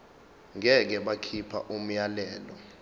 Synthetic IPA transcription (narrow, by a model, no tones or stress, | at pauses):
ŋʱɛk̬ɛɓakʰipʰa̰ʔum̩jalɛːlɔ